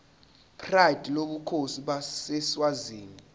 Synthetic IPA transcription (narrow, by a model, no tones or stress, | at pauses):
pʰrajd̥ʱloɓukʰosiɓasɛswaziːŋi